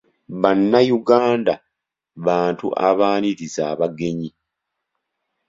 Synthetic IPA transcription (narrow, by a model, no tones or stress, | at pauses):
βanːajuɡaːnda | βaːntṵʔa̰βaːniɾizaːβaɡe̞ɲi